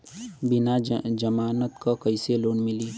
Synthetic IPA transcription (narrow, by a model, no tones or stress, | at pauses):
bɪnad͡ʒəmaːnət̪kakɐiseloːnmɪliː